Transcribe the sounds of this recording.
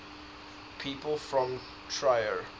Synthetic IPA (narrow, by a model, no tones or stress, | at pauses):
pʰiːpəlˠfɹɔ̃m | tʰɹaɪəɹ